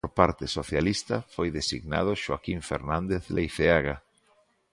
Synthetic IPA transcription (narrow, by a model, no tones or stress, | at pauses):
oɾpaɾt̪ɪsoθjalist̪ɐfojðesiɣna̰ð̞ʊʃwakiɱfḛɾnãnd̪eθlʔejθeaɣa